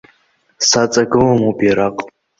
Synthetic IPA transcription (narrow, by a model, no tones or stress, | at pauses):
sat͡sʼaɡɨlamobjaɾaqʼ